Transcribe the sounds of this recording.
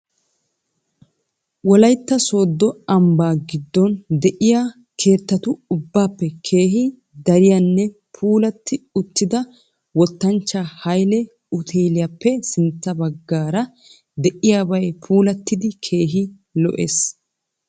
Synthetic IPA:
wɔlɐjt̪ːɐsoːd̪ːɔɐmbaːɡɪd̪ːɔnd̪ɛʔɪja | kʰe̞ːt̪ːɐt̪ʊʊbːaːpːɛkʰe̞ːɦɪ | d̪ɐɾɪjanːɛ | pʰuːlɐt̪ːɪʊt̪ːɪd̪ɐ | wɔt̪ːɐnt͡ʃːahɐjlɛ | ʊt̪ʰeːlɪjapːɛsɪnt͡sːɐbɐɡːaːɾɐ | d̪ɛʔɪjaːbɐjpʰuːlɐt̪ːɪd̪ɪkʰe̞ːɦɪ | lɔ̰ʔḛːs

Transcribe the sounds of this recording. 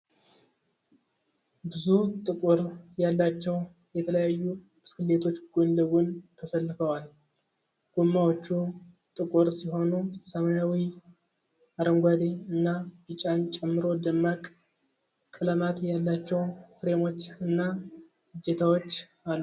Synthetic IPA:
bɨzut̪ʼɨkʼuɾjalːat͡ʃːɛw | jɛt̪ʰələjajːu | mɨskɨlːe̞t̪ʰo̞t͡ʃːɡ̥onləɡunt̪ʰəsəlːɨfəwal | ɡ̥omːawot͡ʃːu | t̪ʼɨkʼuɾsiɦo̞nusəmajawi | aɾəŋɡʷad̪eɨnːabɨt͡ʃʼant͡ʃʼɛmːɨɾo̞d̪əmːakʼ | kʼɨləmat̪jalːat͡ʃːɛwfɾe̞mo̞t͡ʃːɨnːa | ɨd͡ʒːet̪ʰawo̞t͡ʃː | alːu

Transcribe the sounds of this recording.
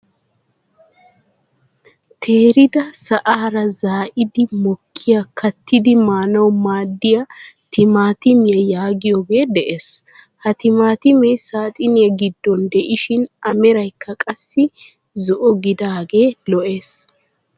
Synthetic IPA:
t̪ʰeːɾɪd̪ɐsɐʔaːɾɐzaːʔɪd̪ɪmɔkʰːɪjɐkʰɐt̪ːɪd̪ɪmaːnɐwmaːd̪ːɪjɐt̪ʰɪmaːt̪ɪmɪjɐjaːɡɪjoːɡe̞ːd̪ɛʔeːs | hɐt̪ɪmaːt̪ɪmɛjsaːt̪ʼɪnɪjɐɡɪd̪ːɔnd̪ɛʔɪʃɪnɐmɛɾɐjkʰːɐkʼɐsːɪ | zɔʔɔɡɪd̪aːɡe̞ːlɔʔe̞ːs

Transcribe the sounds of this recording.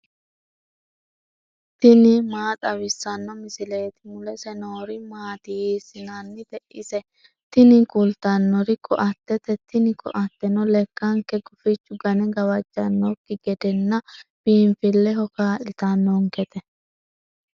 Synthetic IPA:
t̪ɪnɪmaːt̪ʼɐwɪsːɐnːɔmɪsɪle̞ːt̪ɪmʊlɛsɛnoːɾɪmaːt̪ɪjiːsɪnanːɪd̪ɛʔɪsɛ | t̪ɪnɪkʼʊlt̪ɐnːɔɾɪkʰɔʔɐt̪ːɛt̪ɛt̪ɪnɪkʰɔʔɐt̪ːɛnɔlɛkːɐŋkɛɡʊfɪt͡ʃːʊɡɐnɛɡɐwɐd͡ʒːɐnːɔkːɪɡɛd̪ɛnːɐb̥iːɱfɪlːɛhɔkaːʔɪt̪ɐnːɔŋkɛt̪ɛ

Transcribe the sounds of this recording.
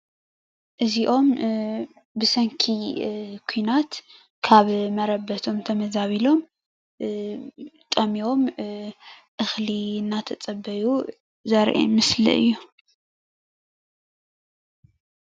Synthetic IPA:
ʔɨziʔo̞m | bɨsɐŋkʰikʰujnat̪ | kʰaβmɐɾɐbːɐt̪ʰo̞mt̪ʰɐmɐzaβilo̞m | t̪ʼɐmio̞m | ʔɨxlinːat̪ʰɐt͡sʼɐbːɐju | zɐɾʔḛmɨslḭʔɨ̰jːu

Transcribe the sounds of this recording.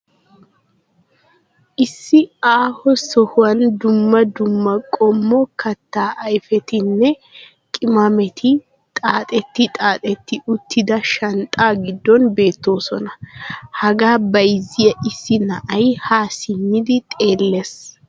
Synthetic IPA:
ʔɪsːɪaːhɔsɔhʊwɐnd̪ʊmːɐd̪ʊmːɐkʼɔmːɔkʰɐt̪ːaːʔɐjfɛt̪ɪnːɛ | kʼɪmɐmɛt̪ʰɪ | t̪ʼaːt̪ʼɛt̪ːɪt̪ʼaːt̪ʼɛt̪ːɪʔʊt̪ːɪd̪ɐʃɐnt̪ʼaːɡɪd̪ːɔnbe̞ːt̪ːo̞ːsɔnɐhɐɡaːbɐjzɪjɐʔɪsːɪnɐʔɐjhaːsɪmːɪd̪ɪt̪ʼe̞ːlːes

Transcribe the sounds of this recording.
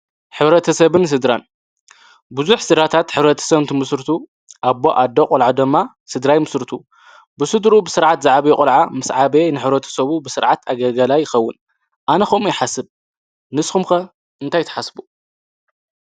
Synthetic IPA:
ħɨβɾɐt̪ʰɐsɐβɨns̬ɨd̪ɾan | bɨzuħsɨd̪ɾat̪ʰat̪ħɨβɾɐt̪ʰɐ̥sɐβɨnt̪ʰɨmɨsɾt̪ʰu | ʔaboʔad̪oqʼɔlʕad̪ɨmːa | sɨd̪ɾajmɨsɾt̪ʰu | bɨsɨd̪ɾubɨsɨɾʕat̪zaʕaβekʼɔlʕamɨsʕabenɨħɨβɾɐt̪ʰɐ̥sɐβubɨsɨɾʕat̪ʰaɡɐɡɐlajːɪxɐwːʊ̰n | ʔanɐxɐmujɪħasɨb̚ | nɨsxumxɐ | ɨnt̪ʰajt̪ʰɐ̥ħasbu

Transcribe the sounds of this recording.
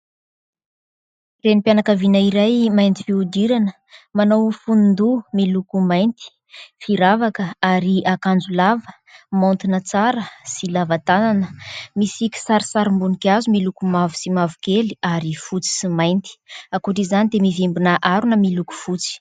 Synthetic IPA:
renipjanakavinaiɾajmajnt̪i̥fiud̪iɾanə | manowfunnd̪umilukumajnt̪i̥ | fiɾavakəaɾiakand͡zulavə | mont̪inət͡saɾəsilavat̪ananəmisikʲi̥saɾisaɾimbunikʲazumilukumavusimavukeliaɾifut͡si̥simajnt̪i̥akuʈ͡ʂizanid̪emivimbinaʔaɾunəmiluku̥fut͡si̥

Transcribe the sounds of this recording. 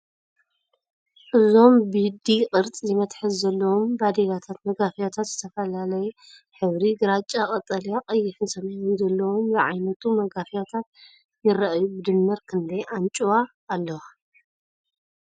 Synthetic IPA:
ʔɨzo̞mbid̪ikʼɨɾt͡s̪ʼizɪmɐt̪ħɨzzɐlːɐwombad̪elat̪ʰat̪mɐɡafijat̪ʰat̪z̥ɨt̪ʰɐfɐlalɐjɛ | ħɨβɾiɡɨɾat͡ʃʼakʼɐt̪ʼːɐljaqʼɐjːɪħɨnsɐmnzɐlːɐwomzɨʕa̰jnɐt̪ʰumɐɡafijat̪ʰat̪̚ | jɪɾɐʔjubɨd̪ɨmːɐɾkʰɨnd̪ɐjant͡ʃʼuwaː | lːɐwa

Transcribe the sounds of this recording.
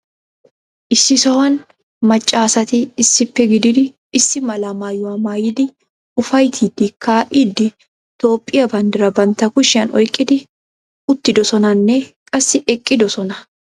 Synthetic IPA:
ʔɪsːɪsɐwɐn | mɐt͡ʃʼːaːsɐt̪ɪːsːɪpːɛɡɪd̪ɪd̪ɪː | sːɪmɐlɐmaːjʊwɐmaːjɪd̪ɪ | ʊfɐjt̪ʰid̪ɪkʰaːʔɪd̪ɪ | t̪o̞ːpʼːɪjɐbɐnd̪ɪɾɐbɐnt̪ɐkʊʃɪɐnʔɔjkʼːɪd̪ɪ | ʊt̪ːɪd̪ɔsɔnɐnːɛkʼɐsːɪʔɛkʼːɪd̪ɔsɔnɐ

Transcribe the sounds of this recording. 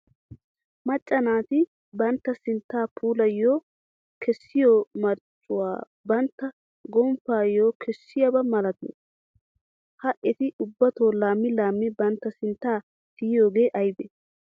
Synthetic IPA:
mɐt͡ʃʼːɐnaːt̪ɪ | bɐnt̪ːɐsɪnt̪ːaːpʰuːlɐjːoː | kʰɛsːɪjoːmɐɾt͡ʃʼːʊwa̰ː | bɐnt̪ːɐ | ɡɔmfaːjoːkʰɛsːɪjɐbɐmɐlɐt̪nḛ | hɐʔɛt̪ɪʊbːɐt̪oːlaːmːɪlaːmːɪbɐnt̪ːɐsɪnt̪ːaː | t̪ɪjjo̞ːɡe̞ːʔɐjbe

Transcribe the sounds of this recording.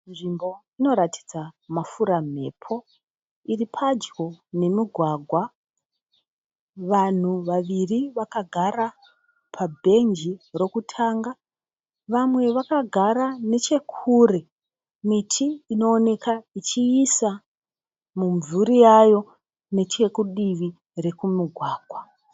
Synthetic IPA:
nʐimbo̞ | ino̞ɾatʰi̥d͡zamafuɾam̤e̞̰ːpʰo̞ | iripʰad͡ʒɡo̞ne̞miɡʱwaːɡʱwa | ʋan̤uʋaʋiriʋakaɡʱaɾa | pʰabʱe̞nd͡ʒiro̞kutʰaːŋɡa | ʋamwe̞ʋakaɡʱaɾane̞t͡ʃe̞kʰuɾe̞ | mitʰiːno̞ːne̞kait͡ʃiːsa | muɱvuɾijajo̞ | ne̞t͡ʃe̞kuɗiʋi | re̞kumiɡʱwaːɡ̥ʱwa

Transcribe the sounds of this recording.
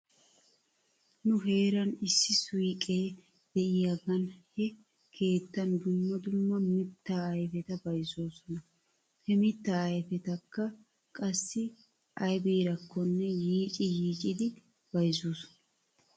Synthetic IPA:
nʊɦe̞ːɾɐnɪsːɪsʊjkʼeː | d̪̥ɛʔɪjɐɡɐnhɛ | kʰe̞ːt̪ːɐnd̪ʊmːɐd̪ʊmːɐmɪt̪ːaːɐjfɛt̪ɐbɐjso̞ːsɔnɐ | hɛmɪt̪ːaːjfɛt̪ɐkːɐ | kʼɐsːɪ | ʔɐjbiːɾɐkʰːɔnːɛjiːt͡ʃʼɪjiːt͡ʃʼɪd̪ɪ | b̥ɐjzoːsɔ̥nɐ

